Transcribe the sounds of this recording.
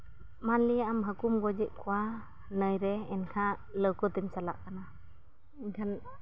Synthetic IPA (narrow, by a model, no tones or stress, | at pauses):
manliamɦakumɡɔd͡ʒiʔ̚kʰuwa | nəjɾɛɛnkʰa | ləwkɔt̪emsalaʔkana | inkʰan